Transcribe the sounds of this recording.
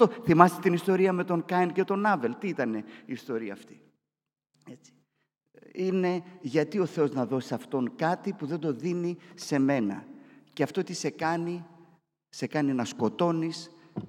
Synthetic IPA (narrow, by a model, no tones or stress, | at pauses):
oθimɐst̪et̪inist̪o̞ɾiɐme̞t̪o̞ŋkɐince̞t̪o̞nɐve̞lt̪iit̪ɐne̞iːst̪o̞ɾiɐ̰ːft̪i̥ | et͡si̥ | ine̞ʝɐt̪io̞θe̞o̞znɐðo̞si̥sɐft̪o̞ŋkɐt̪ipuðe̞nd̪o̞ðinise̞me̞nɐ̰ce̞ɐft̪o̞t̪ise̞kɐni | se̞kɐninɐsko̞t̪o̞nis